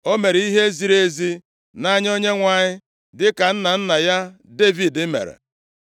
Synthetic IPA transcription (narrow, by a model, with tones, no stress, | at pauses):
o˦me˨ɾe˨i˦ɦe˦zi˨ɾe˦zi˦ | na˦ɲ˦o˦ɲe˦ŋʷa˨ɲɪ˦ | dɪ˦ka˨n̩˦na˨n̩˦na˨ja˦ | de˦vi˨dɪ˦mḛ˨ɾḛ˨